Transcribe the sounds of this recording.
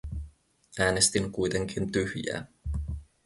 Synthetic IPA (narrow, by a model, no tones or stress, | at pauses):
æːne̞st̪iŋkujt̪e̞ŋk̟int̪yhjæ̰ː